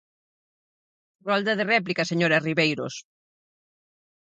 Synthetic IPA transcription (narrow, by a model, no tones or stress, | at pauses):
rɔld̪ɐðerɛplikɐseɲoɾɐzriβejɾo̰s